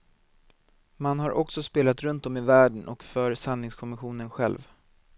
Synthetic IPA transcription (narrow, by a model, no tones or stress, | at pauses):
manɦaɾʔɔksɔspeːlat̪ɾɵnt̪ɔmɪvæːɖəɳʔɔ̰kfœɾsanːɪŋskʰɔmɪɧuːnənɧɛ̰lv